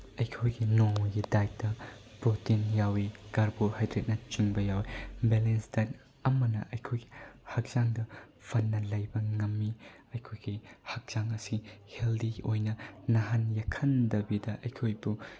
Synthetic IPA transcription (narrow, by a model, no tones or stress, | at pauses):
ɐjkʰojɡinoŋuɡidaj̚dɐ | bɾotinjawiɡ̥aɾbuɾhajdɾet̚nɐt͡ʃiŋbɐjawibelensdat | ɐmɐnɐʔɐjkʰojɡihɐk̚z̥aŋdɐ | pʰɐnːɐlɐjbɐŋɐmːi | ɐjkʰojɡihɐk̚z̥aŋɐsiheldiojnɐnɐɦanjɐkʰɐndɐbidɐʔɐjkʰojbu